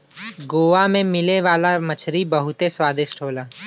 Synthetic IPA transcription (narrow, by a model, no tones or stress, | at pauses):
ɡoːamẽmɪleʋaːlamɐt͡ʃʰɾibɐɦʊt̪eswaːd̪ɪʃʈʰoːlaː